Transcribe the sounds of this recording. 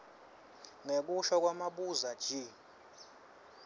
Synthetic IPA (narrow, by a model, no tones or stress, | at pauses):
ŋek̬uʃɔk̬ʼwamaɓuzad̥ʒ̥ʱi